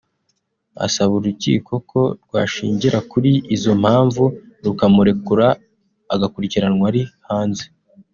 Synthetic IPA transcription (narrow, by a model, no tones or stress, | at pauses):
a̰saβuɾucḭːko̞kʰo̞ɾɡwa̰ːʃḭːɲɟiɾakuɾiʔizo̞m̥haːɱvu | ɾukamuɾe̞kuɾaː | ɡakuɾiciɾanŋwaɾihaːnze̞